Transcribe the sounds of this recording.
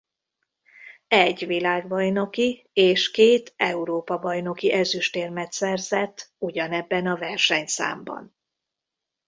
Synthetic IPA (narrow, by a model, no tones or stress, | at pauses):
ɛɟːʋilaːɡbɒjno̞ki | eːʃkeːt̪ɛuɾoːpɒbɒjno̞kiʔɛzyʃt̪eːrmɛt̪sɛrzɛt̪ːuɟɒnɛbːɛnɒvɛrʃɛɲsa̰ːmbɒ̰n